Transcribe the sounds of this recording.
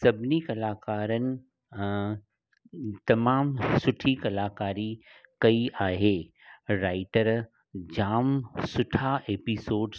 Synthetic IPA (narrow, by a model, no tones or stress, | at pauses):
sɐbʱnikɐlaːkaːɾənɪ̆ | t̪ɐmaːmsʊʈʰikɐlaːkaːɾikɐiʔaːɦeː | ɾaːɪʈəɾ | d͡ʑaːmsʊʈʰaʔeːpisoːɖ